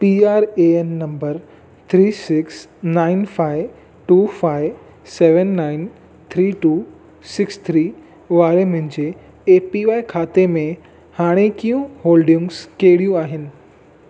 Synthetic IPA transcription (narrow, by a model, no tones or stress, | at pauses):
piaːɾeɛnːɐ̃mbəɾ | t̪ʰɾiːsɪksnaːɪnfʰaːɪʋ | ʈuːfʰaːɪʋ | seːʋənːaːɪn | t̪ʰɾiːʈuː | sɪkst̪ʰɾiː | ʋaːɾemʊ̃ɲd͡ʑe | eːpiʋaːikʰaːt̪emẽ | haːɽ̃ekijũɦoːlɖɪ̃ŋɡskeːɽijũaːɦɪnɪ̆